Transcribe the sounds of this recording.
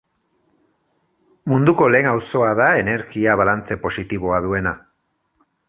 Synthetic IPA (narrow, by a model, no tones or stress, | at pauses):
mund̪uko̞le̞ːŋawso̞aðae̞ne̞ɾɣiaβalant͡se̞po̞sit̪iβo̞aðue̞na